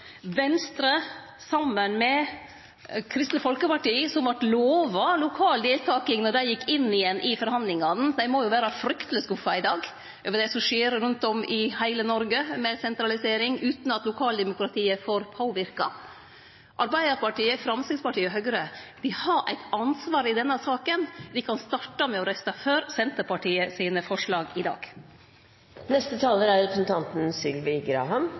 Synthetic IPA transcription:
ʋɛnst̪ɾə | sɑmːənmɛ | kʰɾɪst̪nəfɔlkəpɑʈiːsɔmʋɑʈloːʋɑlʊkʰɑːld̪eːlt̪ʰɑːkɪŋnɔɖ̪æɪjɪkːɪnːɪjɛnːʔɪfɔɾhɑnd̪lɪŋɑnn̩d̪æɪmoːjʊʋæːɾɑfɾʏkt̪ələskʊfɑɪd̪ɑːɡ | øːʋəd̪ɛsɔmʂeːɾɾʉnt̪ɔmɪhæɪlənɔɾɡəmɛsɛnt̪ɾɑlɪseːɾɪŋʉːt̪nɑt̪lʊkʰɑːld̪ɛmʊkɾɑt̪ʰiːəfoːɾpʰoːʋɪɾkɑ̰ | ʔɑɾbæɪd̪əɾpɑʈiːəfɾɑmsɪspɑʈʰiːəɦœɡɾəd̪ɪhɑɾʔæ̰ɪt̪ɑnsʋɑːɾɪd̪ɛnːəsɑːkənd̪ɪkʰɑnst̪ɑʈːɑmɛɔɾɛst̪ɑføːɾsɛnt̪əpɑʈʰiːəsiːnəfɔʂɭɑːɡɪd̪ɑ̰ːɡ̥ | nɛst̪ət̪ʰɑːləɾæɾɛpɾsn̩t̪ʰɑnt̪n̩sɪlʋɪɡɾɑ̰ːɦɑm

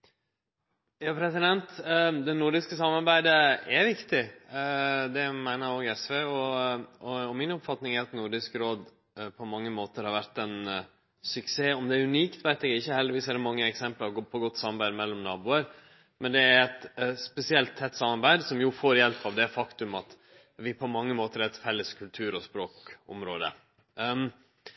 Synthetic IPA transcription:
jɑːpʰɾɛsɪd̪ɛnt̪d̪ɛnʊɾɖɪskəsɑmːɑɾbæɪd̪əɛɾʋɪkt̪ɪ | d̪ɛmæɪnəɾoːɡɛsʋeːɔɔɔmɪnɔpfɑt̪nɪŋæɾɑt̪nʊɾɖɪskɾoːd̪ | pʰɔmɑŋːəmoːt̪əɾhɑɾʋæɾt̪ɛn | sʉkseːɔmd̪ɛːɾʉniːkt̪ʋæɪt̪ɛɡɪçːəhɛld̪ɪʋiːsæɾd̪ɛmɑŋːəɛksɛmpləɾɡɔpʰɔɡɔt̪ːsɑmɑɾbæɪd̪mɛlːɔmnɑːbuːəɾ | mʔɛnd̪ɛæɾɛt̪spɛsɪɛlt̪ʰːɛt̪ːsɑmɑɾbæɪd̪sɔmjʊfoːɾjɛlpːɑʋd̪ɛfɑkt̪ʉmɑt̪ | ʋɪpʰɔmɑŋːəmoːt̪əɾæt̪fɛlːəskʰʉlt̪ʰʉːɾɔspɾoːkɔ̰mɾoːd̪ə̰

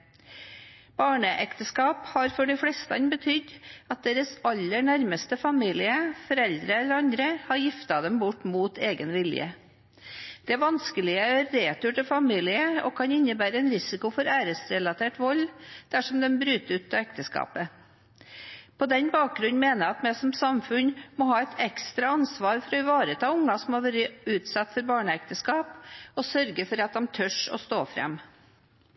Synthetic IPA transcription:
b̥ɑːɳəʔɛkt̪əskɑːphɑɾfɔɖɪflɛst̪ɑnbət̪ʰʏd̪ɑt̪̚d̪eːɾəsɑlːəɳæɾməst̪əfɑmiːlɪəfɔɾɛld̪ɾəɛlːəɾɑnd̪ɾəhɑɾjɪft̪ɑd̪ɛmbʊʈːmuːt̪eːɡənʋɪljə̰ | d̪̥ɛʋɑnskəlɪəæɾeːt̪ʉʈəfɑmiːlɪəo̰ːkʰɑnɪnːəbæːɾəɛnɾɪsɪkʊfɔɾæːɾəsɾɛlɑt̪ʰeːʈʋɔld̪̥æʂɔmd̪ɛmbɾʉːt̪əʉːt̪ːɑɛkt̪əskɑ̰ːpə | pʰɔd̪ɛnbɑːk̚ɡɾʉnn̩meːnəɾɑt̪mɛsɔmsɑmfʉnmɔɦɑːɛɪt̪ʰɛkst̪ɾɑɑnsʋɑːɾfɔɾɔɪʋɑːɾət̪ʰɑːʊŋːɑsɔmhɑʋæːɾəʉːt̪sɑt̪ːfɔɾbɑːɳəɛk̚t̪əskɑːpɔsœɾɡəfɔɾɑt̪̚d̪ɑmt̪ʰœʂɔ̰st̪oːfɾɛ̰m

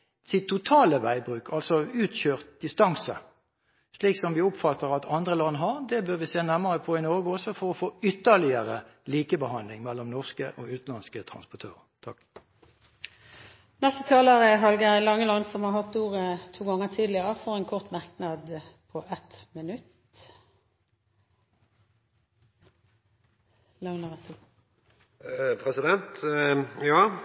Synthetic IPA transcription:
sɪt̪ʰːʊt̪ʰɑːləʋæɪbʁʉːkʰɑlsɔʉːt̪çøːʁt̪̚d̪ɪst̪ɑŋsə | sliːksɔmʋɪɔpfɑt̪ːəʁɑt̪ʰɑnd̪ʁəlɑnːɦɑʁd̪ɛbøʁʋɪseːnæʁməʁəpʰɔɪnɔʁɡəɔsɔfɔʁɔfoːʏt̪ːəʁlɪəʁəliːkəbəhɑnlɪŋmɛlːɔmnɔʁskə̰ʔo̰ːʉːt̪n̩lɑnskət̪ʰʁɑ̰nspɔt̪ʰøːʁə̰t̪ʰɑ̰k | nɛst̪ət̪ʰɑːləʁəɦɑlɡəlɑŋːəlɑnsɔmhɑʁɦɑt̪ːuːʁət̪ʰuːɡɑŋːət̪ʰiːd̪lɪəʁəfɔʁɛnkʰɔʁt̪mɑʁknɑd̪pʰɔʔɛt̪mɪnʉt̪ | ləʊnəʁs | pʰɾɛsɪd̪ɛnt̪ | jɑː

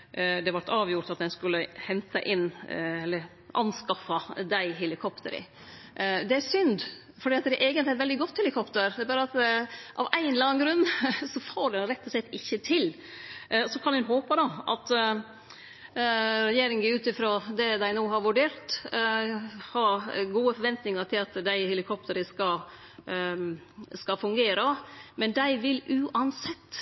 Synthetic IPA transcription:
d̪ɛʋɑʈ̪ɑːʋjʊɾʈ̪ɑt̪d̪ɛnskʉlːəhɛnt̪ɑʔɪnːɛlːəɾ | ʔɑ̰nskɑfɑd̪æɪɦɛlɪkʰɔpt̪ə̰ɾɪ̰ | ʔd̪ɛæsʏnd̪ | fɔɖiːɑt̪̚d̪ɛʔeːɡənɪæɾʋɛld̪ɪɡɔt̪ːhɛlɪkʰɔpt̪əɾd̪ɛːɾbɑːɾəɑt̪ʔɑ̰ʋæɪnlɑːŋɡɾʉnːsɔfoːɖɛnɾɛt̪ːɔslɛt̪ːɪçːət̪ʰɪl | sɔkʰɑnɛnɦoːpəd̪ɑɑ̰t̪ | ɾɛjeːɾɪŋnɪʉːt̪ɪfɾoːd̪ɛd̪æɪnoːɦɑɾʋʉɖeːɾt̪ | hɑɡuːəfɔɾʋɛnt̪nɪŋɑʈ̪ʰɪlɑt̪d̪æɪhɛlɪkʰɔpt̪əɾəskɑl | skɑfʉŋɡeːɾəmɛnd̪æɪʋɪlʔʉːʔɑnsɛt̪ː

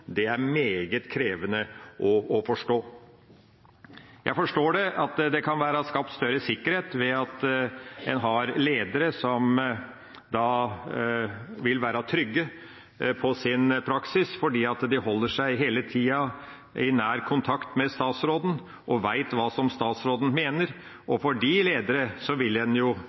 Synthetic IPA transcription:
d̪ɛæɾmeːɡət̪kʰɾeːʋənəʔɔɔfɔʂʈoː | jʔæ̰ɪfɔʂʈoːɖɛʔɑt̪d̪ɛkʰɑnʋæːɾɑskɑp̚t̪st̪œɾəsɪkːəɾheːt̪ʋɛɑt̪ | ɛnɦɑɾleːd̪əɾəsɔm | d̪ɑ | ʋɪlʋæːɾɑt̪ʰɾʏɡːə | pʰɔsɪnpʰɾɑksɪsfɔɖiːɑt̪d̪ɪhɔlːəʂæɪɦeːlət̪ʰiːɑ | ʔɪnæːɾkʰʊnt̪ʰɑkt̪mɛst̪ɑːt̪sɾoːd̪n̩ | ʔɔʋæɪt̪ʋɑːsɔmst̪ɑːt̪sɾoːd̪n̩meːnəɾ | ʔɔfɔɖɪleːd̪əɾəsɔʋɪlɛnjʊ

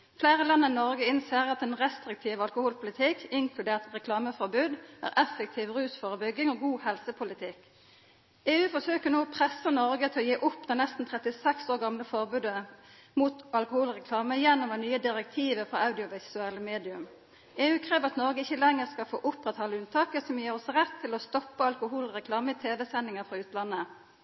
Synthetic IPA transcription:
fleːʁəlɑnːəʁɪnɔʁɡəɪnseːʁɑt̪ɛːnʁɛst̪ɾɪk̚t̪ʰiːʋɑlkʊhuːlpʰʊlɪt̪ʰɪkʰɪŋkʰlʉd̪eːʁt̪ʁɛkʰlɑːməfɔʁbʉːd̪ʔæ̰ːʁʔɛfək̚t̪ʰiːʋʁʉːsfoːʁəbʏɡːɪŋoːɡuːhɛlsəpʰʊlɪt̪ʰɪk | eːʉːfɔsøːkənuːɔpʰʁɛsːənɔʁɡət̪ʰɪlɔjeːʔʊpːd̪ɛnɛst̪n̩t̪ʰʁɛt̪ɪsɛksoːʁɡɑmləfɔʁbʉːd̪əmuːt̪ɑlkʊhuːlʁɛkʰlɑːməjɛnːɔmd̪ɛnyːəd̪ɪʁɛk̚t̪ʰiːʋəfɔɑʉd̪ɪʊʋɪsʉɛləmeːd̪ɪʉm | eːʉːkʰɾeːʋəʁɑt̪nɔʁɡəɪçːəlɛŋːəʁskɑfo̰ːʔʊpʁɛt̪hɑləʉnt̪ʰɑːkəsɔmjiːʁɔsɾɛt̪ʰːɪlɔst̪ɔpːəɑlkʊhuːlʁɛkʰlɑːməɪt̪ʰeːʋɛsɛnɪŋəfʁɑʉːt̪lɑnːə

